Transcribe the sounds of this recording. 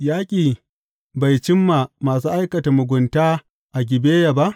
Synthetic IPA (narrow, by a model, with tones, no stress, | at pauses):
jaː˦kʲʼiː˨ | ba˨jt͡ʃɪ˦mːaː˨maː˨s̬uː˦ʔa˦jkɐ˨ta˨mʊ˨ɡʷʊ˨ntaː˦ | ʔa˨ɡʲɪ˨beː˦ja˨ba˦ʔ